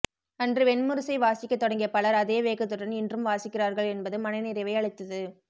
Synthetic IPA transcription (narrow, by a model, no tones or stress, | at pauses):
ɐndrɯʋɛnmɯɾɯsɐɪʋaːsɪkʲːɐt̪ːɔɽɐŋɡɪjɐpɐɭɐɾɐðeːʋeːkːɯt̪ːɔʈːɐnɪndrɯmʋaːsɪkːɪraːɾɣɐɭɛnbɐðɯmɐnɐɪnɪɾɪʋɐɪɐɭɪt̪ːɐðɯ